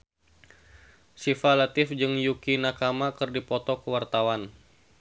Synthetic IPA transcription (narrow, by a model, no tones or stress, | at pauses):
sifalat̪ɪfd͡ʒɨŋjukinakamakɨrdipɔt̪ɔkəwart̪awan